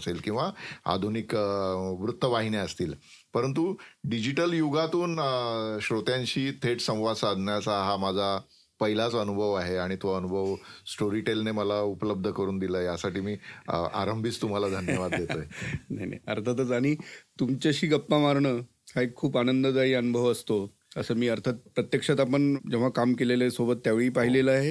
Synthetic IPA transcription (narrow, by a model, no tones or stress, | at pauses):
selkĩw̃ʋaa̰d̪ʱunikʋɾut̪ʰːəʋaɦineəst̪iːl | pəɾənt̪̬uɖid͡ʑiʈəljuɡat̪uːnɕɾot̪jaɲt͡ɕiːt̪ʰeʈsə̃w̃ʋad̪sad̪ʱnjat͡saɦamad͡zʱa | pəɦilat͡sənubʱəʋaɦeaɽ̃it̪uʋaənubʱəʋsʈoɾiːʈelneməlaupələb̚d̪ʱəkəɾuːnd̪iləːjasaʈiːmiːa̰ɾəmbʱit͡st̪um̤alad̪ʱənjəʋad̪ːjetəɦenaɦina̰jə̰ɾt̪ʰət̪ət͡saɽ̃it̪umt͡ɕəɕiːɡəpːamaɾɳəː | haekʰːuːpanənd̪əd͡z̪aɦiːənubʱəʋəst̪o | əsəːmiːəɾt̪ʰət̪̚pɾət̪jəkʂat̪apəɳd͡ʑeʋ̤akamkeleləsobət̪ːjaʋeɭiːpaɦileləaɦe